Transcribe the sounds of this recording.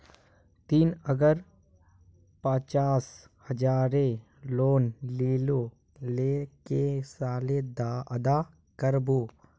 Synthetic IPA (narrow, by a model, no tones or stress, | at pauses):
t̪iːnəɡəɾ | pət͡ʃaːs | həd͡ʒaːɾe | loːnleːloː | leːkesaːled̪aʔɐd̪aː | kəɾboː